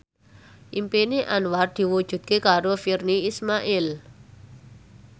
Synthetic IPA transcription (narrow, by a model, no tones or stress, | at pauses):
ʔimpeniʔanward̪̥i̤wud̥ʒ̥ṳd̪̚kekaɾofirniismaʔɪl